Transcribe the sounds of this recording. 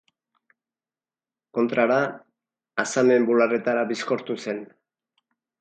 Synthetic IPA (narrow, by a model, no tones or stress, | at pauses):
ko̞nt̪ɾaɾaː | same̞mbulare̞t̪aɾaβisko̞ɾt̪use̞n